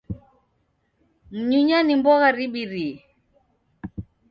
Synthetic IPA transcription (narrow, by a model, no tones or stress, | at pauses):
m̩ɲuɲanimbɔɣaɾiɓiɾi